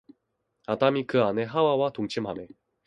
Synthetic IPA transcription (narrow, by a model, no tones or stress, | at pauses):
adamikɯane̞ɦawawatoŋt͡ɕʰimɦame